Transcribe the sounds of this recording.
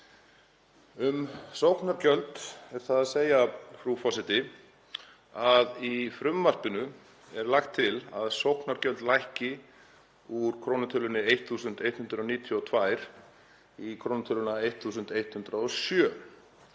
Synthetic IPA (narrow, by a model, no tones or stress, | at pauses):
ʏmsowhknaɾcœlt̪ɛɾ̥θaðaðseːjafɾufɔsɪt̪ɪ | aðifɾʏmːar̥pɪnʏ | ɛɾlaxt̪ʰːɪlaðsowhknaɾcœlt̪lajhcɪ | uɾ̥kʰɾoːwnat̪ʰʏlʏnɪejht̪θuːsʏnt̪ejt̪hʏnd̪ɾaɔniːt̪ʰjɔɔt̪ʰvajɾ̥ | ikʰɾoːwnat̪ʰʏlʏnaejt̪θuːsʏnt̪ejht̪hʏnt̪ɾaɔsjœː